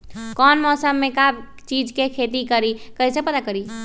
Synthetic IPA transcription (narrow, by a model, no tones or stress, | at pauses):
kɔnmɔsəmːekab | t͡ʃid͡ʒkekʰet̪ikəɾikəisẽpəd̪akəɾi